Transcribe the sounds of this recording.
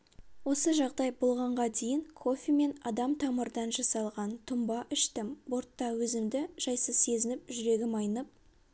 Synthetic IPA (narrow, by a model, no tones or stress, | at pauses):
wo̞səʒɑʁd̪ɑjbolˠʁɑɴʁɑd̪ejɪŋkʰo̞fʲime̞nɑd̪ɑmt̪ʰɑməɾd̪ɑnʒɑsɑlˠʁɑnt̪ʰʊmbɑʔʏʃt̪ɪmbo̞ɾt̪ːɑwɵzɪmd̪ɪʒ̥ɑjsəzse̞zɪnɪpʒʏɾe̞ɡʲɪmɑjnəp̚